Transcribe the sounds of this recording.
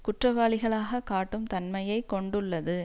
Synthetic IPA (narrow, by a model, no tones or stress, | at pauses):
kʊʈrɐʋaːɭɪɣɐɭaːɣɐkaːʈːɯmt̪ɐnmɐjɐɪkːɔɳɖɯɭːɐðɯ